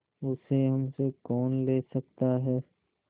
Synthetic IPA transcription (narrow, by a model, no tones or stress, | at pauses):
ʊseɦɐmsekɔːnleːsɐk̚t̪aɦɛː